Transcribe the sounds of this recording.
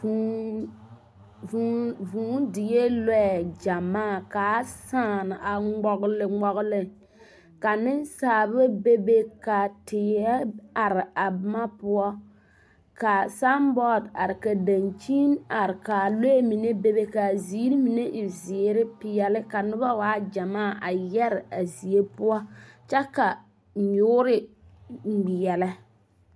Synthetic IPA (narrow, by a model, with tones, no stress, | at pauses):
u˨˦ | vu˨vũː˨˦dɪ˨je˦lɛ˦ɛ˨d͡ʒa˨maː˦˨ka˨˦saː˦˨nɪ˨ʔa˨ŋ͡mɔ˨ɡlɪ˨ŋ͡mɔ˨ɣlɪ˦ | ka˨nɪ˦n˦saː˨bbe˦be˦ka˨tɪ˨ɛ˦a˨ɾɪ˨a˨bma˦pʊ˦ɔ˦ | ka˨sa˦mbɔ˦˨da˨ɾɪ˨ka˨da˨nt͡ʃi˦na˨ɾɪ˨ka˨lo˦e˦mi˨ne˦be˦be˦ka˨ziː˦ɾi˦mi˨ne˦ʔɪ˨zɪ˨˦ɾɪ˦pɪ˦jɛ˦lɪ˦ka˨nʊ˦ba˦waː˦d͡ʒa˨maː˦˨ʔa˨jɛ˦ɾɪ˨a˨zi˨e˦pʊ˦ɔ˦t͡ʃɛ˦ka˨ | ɲʊː˦ɾɪ˦ | ŋ͡m̩˨ɡ͡bi˨jɛ˨lɛ˦